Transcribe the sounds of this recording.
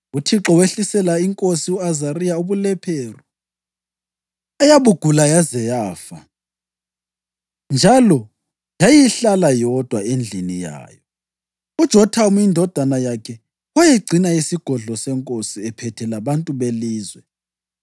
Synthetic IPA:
utʰiǁɔweɬisɛlaiŋkʼosiuazaɾijauβulɛpʰeːru | ajaβuɡ̥ʱulajazɛjaːfa | nd͡ʒʱalɔ | jajiɬalajɔd̥ʱwaend͡ɮʱinija̰ːjɔ | ud̥ʒ̥ʱɔtʰaumjindʱɔd̥ʱanajakʰɛ | wajiɡ͡ǀʱinaisiɡ̥ʱɔɮɔsɛŋkʼosiɛpʰɛtʰɛlaβantʼuβeliːzwɛ

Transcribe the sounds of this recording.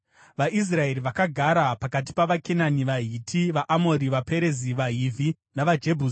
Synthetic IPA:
ʋaʔis̬rae̞ɾiʋakaɡʱaɾapakat̬i̥paʋakenaniʋaɦitʰiʋaʔamo̞ɾiʋape̞ɾe̞ziʋaɦivʱi | naʋad͡ʒebʱuː

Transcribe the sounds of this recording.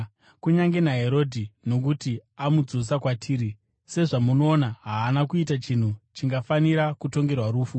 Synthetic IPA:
kuɲaŋɡe̞naɦe̞ɾo̞dʱino̞k̬utiamud͡zosakwatʰiːɾi | se̞ʐamuno̞ːnaɦaːnakuitat͡ʃin̤ut͡ʃiŋɡafaniɾakuto̞ŋɡe̞rwaɾuːfu

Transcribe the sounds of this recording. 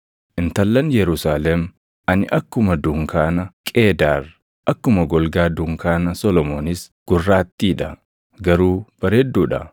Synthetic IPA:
ʔɪnt̪ɐlːɐnjɛɾʊsaːlɛm | ɐnɪ̰ʔɐkːʊmɐd̪ʊŋkaːnɐkʼe̞ːd̪aːr | ʔɐkːʊmɐɡɔlɡaːd̪ʊŋkaːnɐsɔlɔmoːnɪsɡ̥ʊrːaːt̪ːiːᶑɐ | ɡɐɾuːb̥ɐɾeːd̪ːuːᶑɐ̰

